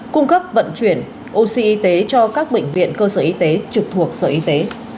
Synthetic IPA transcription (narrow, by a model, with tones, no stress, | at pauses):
kʊ˧ŋ͡mkə˦˥p̚və̰˧˨nt͡ɕwi˧˩ən | ʔo˧si˧ʔi˧t̪e˨˦t͡ɕɔ˧kaː˦˥k̚ɓḛ˧˨ŋ̟vḭ˧˨ənkəː˧səː˧˩ʔi˧t̪e˨˦t͡ɕɨ˨˩k̚t̪ʰu˨˩ək̚sə̰ː˧˩ʔi˧t̪e˨˦